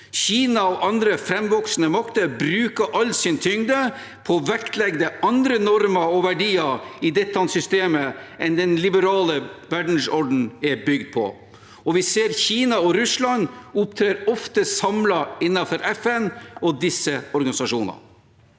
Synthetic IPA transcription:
çiːnɑɔʔɑnd̪ɾəfɾɛmʋɔksnəmɑkt̪əɾbɾʉːkəʔɑlsɪnt̪ʰʏŋd̪ə | pʰɔʋæk̪lɛɡd̪əʔɑnd̪ɾənɔɾməɾɔʋæɖiːəɪd̪ɛt̪ːɑnsʏst̪eːməʔɛnd̪ɛnlɪbəɾɑːləʋæɖɳ̩sɔɖn̩ɛbʏɡd̪̚pʰɔ̰ | ɔʋɪseːɾçiːnɑɔɾʉslɑnʊp̚t̪ʰɾeːɾɔft̪əsɑmlɑɪnːɑfɔɾʔɛfɛnɔd̪ɪsːəɔɾɡɑnɪsɑʂuːnɑ̰

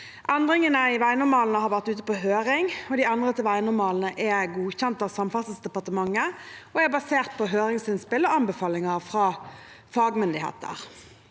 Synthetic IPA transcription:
ʔɛnd̪ʁɪŋənəɪʋæɪnʊɾmɑːlnəhɑɾʋæʁt̪ʉːt̪əpɔɦøːʁɪŋɔd̪iɑnd̪ʁət̪ʰɪlʋæɪnʊɾmɑːln̩əʔɛɡuːçɛnt̪ɑʋsɑmfɑsəsd̪ɛpɑʁt̪əmɑŋːəɔɛbɑseːʁt̪̚pʰɔɦøːɾɪŋsɪnspɪlːəɑnbəfɑːlɪŋəʁfɾɑː | fɑːɡmʏnd̪ɪhḛːt̪ə̰ʁ

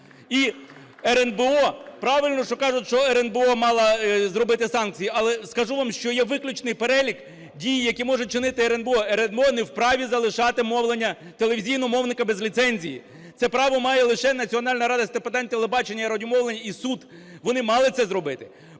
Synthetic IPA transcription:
i | ɛɾɛnbeɔpɾɑʋɪlʲnɔʃt͡ʃɔkɑʐʊtʲʃt͡ʃɔɛɾenbeɔmɑlˠɐzɾɔbɪt̪ɪsɑnk̚t͡sʲijiʔɐlˠɛskɐʒuʋɑmʃt͡ʃɔjɛʋɪklʲʊt͡ʃnɪjpeɾɛlʲik | dʲijijɐkʲimɔʐɛt͡ʃɪnɪt̪ɪɛɾɛnbeɔɛɾɛnbeɔnɛwpɾɑʋʲizɐlˠɪʃɑt̪ɪmɔwlˠenʲːɐ | t̪elˠeʋʲizʲijnɔmɔwnɪkɐbezlʲit̪sɛnʲzʲijḭ | t̪sɛpɾɑʋɔmɑjɛlˠɪʃɛnɐt͡sʲiɔnɑlʲnɐɾɑd̪ɐsʲt̪eped̪ɛnʲt̪elˠebɑt͡ʃenʲːɐiɾɔdʲʊmɔwlˠenʲɐisud̪ | ʋɔnɪmɑlˠɪt̪sɛzɾɔbɪt̪ɪ̥

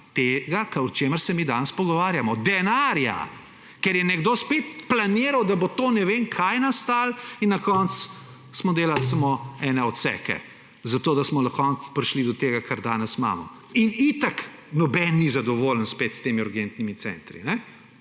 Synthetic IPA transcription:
t̪eɡakaɔt͡ʃeːməɾsɛmid̪anəspɔɡɔʋaːɾjamɔd̪ɛnaɾja̰ | kɛɾjɛnɛɡd̪oːspet̪planiːɾawd̪abot̪oːnɛʋeːŋkʰajnast̪aːlinːɐkɔnt̪s | smɔd̪eːlalsamoɛːnɛɔt̪sɛ̰kɛ̰ | zat̪oːd̪asmɔnakɔnspɾiʃlid̪ɔt̪eːɡakʰaɾd̪aːnəsma̰ːmɔ̰ | init̪aknɔbɛnːizad̪ɔʋoːlənspet̪st̪eːmiuɾɡent̪nimit̪sɛ̰nt̪ɾḭnɛ

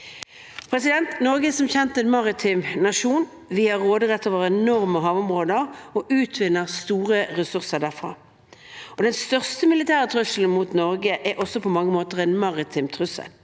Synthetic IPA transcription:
pʰɾɛsɪd̪ɛnt̪nɔʁɡəsɔmçɛnt̪ɛnmɑʁɪt̪ʰɪmnɑʃuːn | ʋɪhɑʁoːd̪əʁɛt̪ʰːoːʋəʁɛnɔʁməɦɑːʋʊmʁoːd̪əʁɔʔʉːt̪ʰʋɪnːəʁst̪uːʁəʁɛsʉʁsəʁd̪æʁfʁɑ̰ː | ɔd̪ɛnst̪œʁst̪əmɪlɪt̪ʰæːʁət̪ʰʁʉsl̩n̩mut̪nɔʁɡəʔɛʔɔsɔpʰɔmɑŋːəmoːt̪əʁɛnmɑʁɪt̪ʰɪmt̪ʰʁʉsə̰l

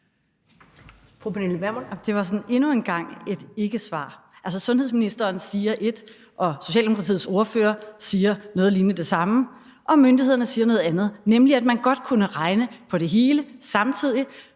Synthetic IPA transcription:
fʁupʰeneləmæɐmond̥e̝ʋɑ̈sɒ̽ne̝nuenɡ̥ɑ̈ŋ̰e̝d̥e̝ɡ̥əsʋɑ̰̈ː | æls̬əsɔ̽nɦheðˠsminisd̥ɐːnsiːɐʔe̝d̥ | ʔɒ̽so̝ɕɛ̰ːld̥emokʰʁɑt͡sʰḭːð̩ˠso̝ɐføːɐsiːɐnɔ̽ːð̩ˠliːnəd̥e̝sɑ̈mə | ʔɒ̽mønd̥ihe̝ð̞̰ˠɐnəsiːɐnɔ̽ːð̩ˠænð̞̩ˠnemliæd̥̚mænɡ̥ɒ̽d̥kʰunəʁɑ̈ɪnəpʰɒ̽ɾ̥e̝ɦe̝ːləsɑ̈mt͡sʰið̞̰ˠi

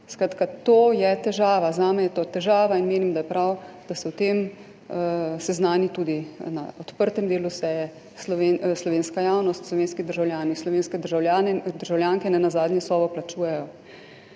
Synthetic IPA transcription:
skɾaːt̪kat̪oːjɛt̪ɛʒaːʋazaːmɛjɛt̪oːt̪ɛʒaːʋainmeːnimd̪ajɛpɾawd̪asɛwt̪eːm | sɛznaːnit̪uːd̪ina̰ɔt̪pəɾt̪ɛmd̪eːlusɛjɛ | slɔʋenslɔʋeːnskajaːwnɔst̪slɔʋeːnskid̪əɾʒawljaːnislɔʋeːnskɛd̪əɾʒawljaːnɛd̪əɾʒawljaːŋkɛnɛnazaːd̪ɲjɛsɔːbɔplat͡ʃuːjɛjɔ

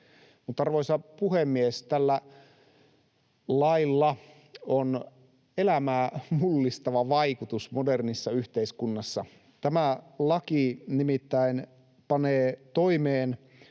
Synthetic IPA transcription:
mut̪ːɑɑrʋoisɑpuhemːiest̪ælːæ | lɑilːɑ | on | elæmæːmulːist̪ɑʋɑʋɑikut̪usmodernisːɑyht̪eiskunːɑsːɑ | t̪æmælɑkinimit̪ːæin | pɑneːt̪oimeːn

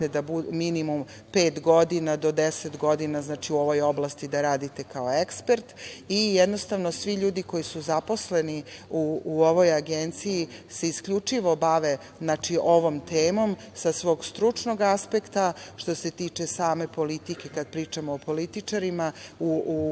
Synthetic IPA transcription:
ed̪abuminimum | peːt̪ɡo̞d̪inad̪o̞d̪eset̪ɡo̞d̪inaznaːt͡ʃiuo̞ʋo̞jo̞blˠast̪id̪aɾaːd̪it̪e̞kaoekspeɾt̪ijɛd̪no̞st̪aʋnosʋiʎuːd̪iko̞jisuzapo̞sleniuuoʋo̞jaɡent̪sijise̞iskʎut͡ʂiʋo̞baʋe̞ | znaːt͡ʃiʔo̞ʋo̞mt̪eːmo̞m | sasʋoːɡst̪ɾut͡ʂno̞ɡaspe̞kt̪aʃt̪o̞se̞t̪iːt͡ʃe̞saːme̞po̞lit̪ike̞kad̪̚pɾiːt͡ʃamoːpo̞lit̪it͡ʃaɾimauu

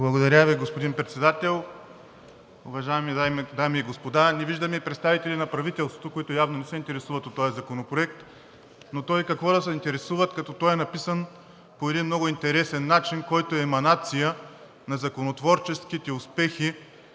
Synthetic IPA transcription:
blˠɐɡod̪ɐɾʲaviɡospod̪inpɾɛt̪sɛd̪at̪ɛlˠ | ʊvɐʒajɛmid̪ajmɛd̪amiːɡospod̪anɛviʒd̪ɐmɛipɾɛt̪st̪avit̪ɛlʲinɐpɾɐvit̪ɛlˠst̪vot̪okoit̪ʊjavnonɛsɛint̪ɛɾɛsuvɐt̪ot̪ːɔjɛzɐkonopɾoɛk̚t̪ | not̪ɔjkɐkvɔd̪ɐsɛint̪ɛɾɛsuvət̪kɐt̪ɔt̪ɔjɛnɐpisən | poɛd̪inmnɔɡʊint̪ɛɾɛsɛnːat͡ʃinkɔjt̪oɛːmɐnat̪sijə | nɐzɐkonot̪vɔɾt͡ʃɛsk̟it̪ɛʊspɛxi

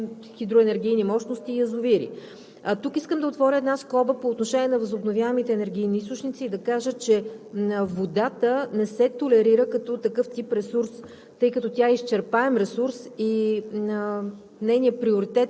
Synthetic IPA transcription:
xid̪ɾoɛnɛɾɡ̟ijnimɔʃnost̪iːɐzʊviɾḭ | ət̪ukiskəmd̪ɐot̪vɔɾʲəɛd̪naskɔbəpoːt̪noʃɛniɛnɐvəzʊbnovʲjavəmit̪ɛːnɛɾɡ̟ʲijniist̪ʊt͡ʃnit̪siːd̪ɐkaʒət͡ʃɛ | vod̪at̪ənɛsɛt̪olɛɾiɾəkɐt̪ɔt̪ɐkɤft̪ipɾɛsuɾs | t̪ɤjkɐt̪ɔt̪ʲaɛist͡ʃɛɾpaɛmɾɛsuɾsiə | nɛjnijəpɾioɾit̪ɛt̪

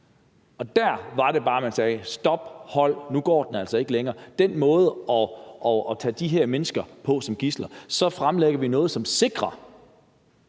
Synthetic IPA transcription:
ɒ̽d̥æɐ̰ʋɑ̈ɾe̝b̥ɑ̈ːmænsɛːsd̥ɒ̽b̥hɒ̽l̰nuɡ̥ɒ̰ːd̥enæl̰sɒe̝ɡ̥əleŋɐːd̥en̰mɔ̽ːð̞̩ˠɒ̽ʔɒɒt͡sʰɛ̰ːd̥iɦæɐ̰menəsɡ̥ɐpʰɒ̽sɒ̽mɡ̥islɐsɒ̽fʁamleɡ̥ɐʋinɔ̽ːð̩ˠsɒ̽mse̝ɡ̥ʁɐ

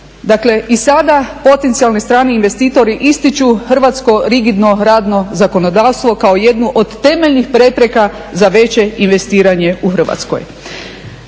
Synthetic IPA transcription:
d̪akle̞ʔisad̪apo̞t̪ent̪sialˠnist̪ɾaːniinʋe̞st̪iːt̪o̞ɾiʔist̪it͡ʃuxr̩ʋat̪sko̞ɾiɡid̪no̞ɾaːd̪no̞zako̞no̞d̪aːʋst̪ʋo̞kao̞je̞d̪nuʔod̪ːe̞meʎnixpɾe̞pɾe̞ka | zaʋe̞t͡ɕe̞inʋe̞st̪iːɾaɲe̞uxr̩ʋa̰t̪sko̰j

